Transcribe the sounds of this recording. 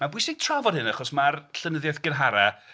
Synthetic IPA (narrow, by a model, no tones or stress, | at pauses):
mabʊjsɪɡ̥̚tʰr̥avɔdˠhɪnaχɔsmarɬənəðjaθɡ̥ənɦaɾa